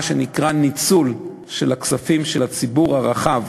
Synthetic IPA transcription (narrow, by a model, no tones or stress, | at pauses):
ʃenikʁanit͡sul | ʃelaksafimʃelat͡sibuʁhaʁaχav